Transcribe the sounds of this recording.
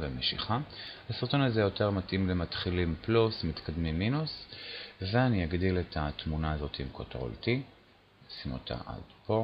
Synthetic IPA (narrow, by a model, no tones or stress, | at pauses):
vemeʃiχahasiʁt̪o̞nazejo̞te̞ʁmatʔimlemat̪χilimplusmit̪kad̪mimːinus | veanijaɡdiletʰat̪munaːzo̞t̪iimkotʁo̰lti | simo̰tʰa̰ʔa̰d̥po̞